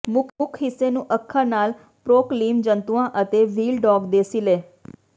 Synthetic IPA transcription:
mʊkmʊkʰɦɪsːeːnũːʔəkʰːanaːl | pɾoːkliːmd͡ʒənt̪uãːʔət̪eːʋiːlɖɔːɡd̪eːsileː

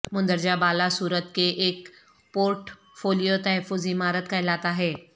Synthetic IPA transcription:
mʊ̃nd̪əɾd͡ʒabaːlasuːɾət̪̚keʔeːk | poːɾʈ | foːlijot̪ɐɦɛfːʊzɪmaːɾət̪kaɦɪlaːt̪aɦɛː

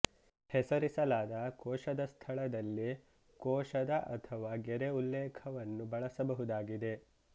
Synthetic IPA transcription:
hɛsɐɾisɐlaːd̪ɐkɔːʃɐd̪ɐst̪ʰɐɭɐd̪ɐlːi | kɔːʃɐd̪ɐʔɐt̪ʰɐʋaːɡeɾeulːɛːkʰɐʋɐnːubɐɭɐsɐbɐɦud̪aːɡid̪e̞

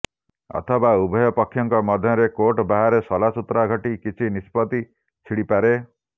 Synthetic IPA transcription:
ɔ̰t̪ʰɔbaubʱɔjɔpɔkʰːjɔŋkɔmɔd̪ʱjɔɾekoʈbaɦaɾesɔlasut̪ːɾaɡʱɔʈikit͡ʃʰinispɔt̪i | t͡ʃʰiɽipaɾe

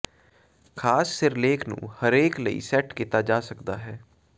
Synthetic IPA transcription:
kʰaːsːɪɾleːkʰnṵ̃ːhəɾeːkləḭːsɛʈkiːt̪aːd͡ʒaːsəkd̪aːɦɛː

